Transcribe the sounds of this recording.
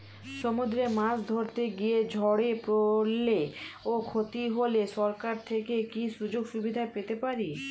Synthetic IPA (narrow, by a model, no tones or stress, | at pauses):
ʃomud̪ɾemãsd̪ʱoɾt̪eɡied͡ʑʱɔɽepɾolːeokʰot̪iɦoleʃɔɾkaɾt̪ʰekekiʃud͡ʑoɡʃubid̪ʱaepet̪epaɾi